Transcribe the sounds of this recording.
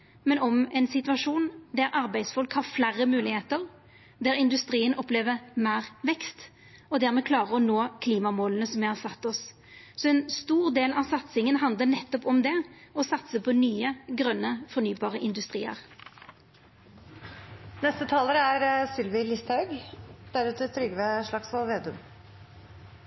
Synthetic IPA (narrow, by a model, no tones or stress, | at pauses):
mɛnɔmɛnsɪt̪ʋɑʂuːnd̪æɾʔɑʁbæɪsfʉlkhɑʁflæʁːəmʉːlɪheːt̪əʁ | d̪æʁɪnd̪ʉst̪ɾiːənʔɔpleːʋəmæːʁʋɛkst̪ | ɔd̪æʁmɛkʰlɑːʁəʁɔnoːkʰliːmɑmoːlənəsɔmjæɪhɑsɑt̪ːɔs | sɔɛnst̪uːʁd̪eːlɑʋsɑt̪sɪŋənɦɑnd̪lənɛt̪ːɔpɔmd̪ɛɔsɑt̪səpʰɔnyːəɡʁœnːəfɔɾnyːbɑːʁəʔɪnd̪ʉst̪ʁiːə̰ʁ | nɛst̪ət̪ʰɑːləɾəæɾsɪlʋɪlɪst̪hɑʉɡd̪̥æɾʉːt̪ət̪ʰɾʏɡəʋeʂɭɑksʋɑlʋeːd̪ʉm